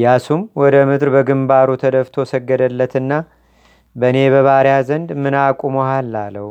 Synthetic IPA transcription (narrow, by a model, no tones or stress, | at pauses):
jasumwɔd̪əmɨd̪ɾbəɡɨmbaɾut̪ʰəd̪əft̪ʰo̞səɡːəd̪əlːət̪ɨnːa | bəne̞βəβaɾjazənd̪mɨnakʷʼumohalːalːə̰h